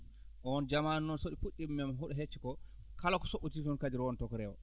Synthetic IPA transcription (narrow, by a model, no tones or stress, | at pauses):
ʔɔnd͡ʒamanːɔnsoɗifuɗːimmːɛmɦoɗuɦet͡ʃːɛkɔ | kalakɔ̥soʔutitɔnkadiɾwɔntɔkɔɾɛwɔ̰